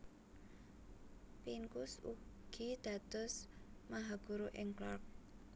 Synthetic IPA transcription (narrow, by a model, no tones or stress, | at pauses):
piŋkʊsuɡ̥id̪̥a̤d̪̥ɔ̤smaɦaɡ̥uɾoʔɪŋklɔrk̚